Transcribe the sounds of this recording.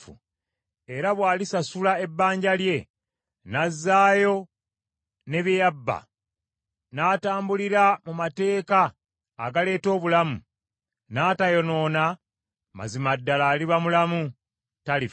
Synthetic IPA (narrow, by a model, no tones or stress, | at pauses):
ṵ | e̞ɾaβwaːlisasulae̞bːaːɲɟalje̞ | nazːaːjo̞ | ne̞βjijabːa̰ | naːtaːmbuliɾamumate̞ːkaː | ɡale̞ːto̞ːβulamu | naːtajo̞no̞ːna | ma̰zimadːalaːliβamulamu | tali